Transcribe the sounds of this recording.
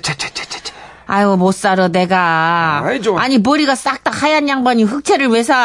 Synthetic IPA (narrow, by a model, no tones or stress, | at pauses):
ajwʌmos͈aɾoneɡa | aɲip̬ʌɾiɡas͈ak̚t͈ak̚hajanjaŋbaɲiɸɯk̚t͡ɕʰeɾɯɭwesʰa